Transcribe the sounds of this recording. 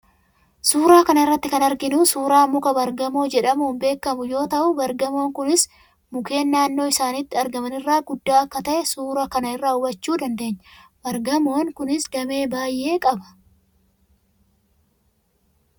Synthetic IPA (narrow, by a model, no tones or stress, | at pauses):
suːɾaːkɐnɐɪrːɐt̪ːɪkɐnɐɾɡɪnuːsuːɾaːmʊkɐbɐɾɡɐmo̞ːd͡ʒɛᶑɐmʊmbe̞ːkːɐmʊjo̞ːt̪ɐʔʊbɐɾɡɐmo̞ːŋkʊnɪs | mʊke̞ːnːaːnːo̞ːɪsaːnɪt̪ːɪɐɾɡɐmɐnɪrːaːɡʊd̪ːaːɐkːɐt̪ɐʔɛsuːɾɐkɐnɐɪrːaːʊbɐt͡ʃːuːd̪ɐnd̪e̞ːɲːɐbɐɾɡɐmoːŋkʊnɪsɡɐme̞ːbaːjʔe̞ːkʼɐbɐ̥